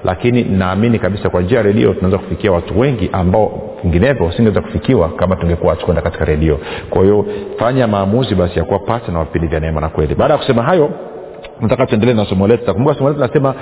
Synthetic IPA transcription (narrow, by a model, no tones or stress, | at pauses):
lʔa̰kininaːminikaɓisakwand͡ʒiajaɾɛɗḭɔ̰tunaɛzaku̥fikiawatuwɛŋɡiʔambaɔ | viŋɡinɛvjɔsiŋɡawɛzaku̥fikiwakamatuŋɡɛkuwahatu̥kwɛndakati̥kaɾɛɗiɔkwa̰hijɔfaɲamaːmuziɓasijakuwapasɛnawavipindivjanɛɛmanakwɛliɓaːɗajaku̥sɛmaɦajɔ | natakatuɛndɛlɛnasɔmɔlɛttakumbukasɔmɔlɛtnasɛma